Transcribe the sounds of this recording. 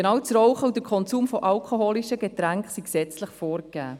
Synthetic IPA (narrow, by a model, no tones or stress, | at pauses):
ɡenɑːwt͡sɾɔwχəwd̪əɾkʰɔnt͡suːmfɔʔɑlkʰoɦoːliʃəɡet̪ɾæŋkχsiksɛt͡sləχfoːɾk̚æː